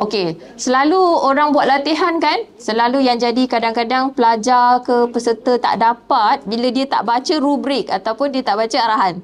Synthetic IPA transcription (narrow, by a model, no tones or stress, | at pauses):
oke | səlaluoɾaŋbuat̪̚lat̪iɦankansəlalujaŋd͡ʒadikadaŋkadaŋpəlad͡ʒakəpəsət̪ət̪a̰ʔdapat̪̚bilədiat̪a̰ʔbat͡ʃəɾubɾɪk̚at̪awpʊndiət̪aʔbat͡ʃaaɾaɦan